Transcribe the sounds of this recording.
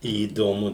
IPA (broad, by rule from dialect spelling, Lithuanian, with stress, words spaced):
iːdoːˈmʊ